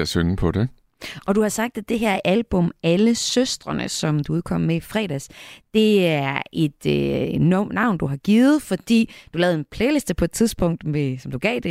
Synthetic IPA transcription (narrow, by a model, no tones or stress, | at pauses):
sønpʰɒ̽d̥e | ʔɒ̽d̥uhɑ̈sɑ̈ɡ̥̚d̥æd̥e̝ɦeɐʔælb̥ɔ̽mæləsøsd̥ʁɐnə̰sɒ̽md̥uuðˠkʰɒ̽m̰meifʁɛ̰ːd̥æsd̥e̝æɐʔe̝d̥nnːɑ̈ʊ̰nd̥uɦɑ̈ɡ̥iːð̩ˠfɒ̽d̥ḭːd̥ulɛːʊð̩ˠenpʰleːlisd̥əpʰɒe̝d̥t͡sʰiðˠsb̥ɔ̽ŋ̰d̥mesɒ̽md̥uɡ̥ɛ̰ːd̥e̝